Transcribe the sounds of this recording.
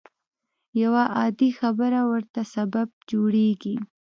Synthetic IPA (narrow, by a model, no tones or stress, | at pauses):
jawaʔɑd̪ixabəɾawəɾt̪asabab̚d͡ʒoɽeɡi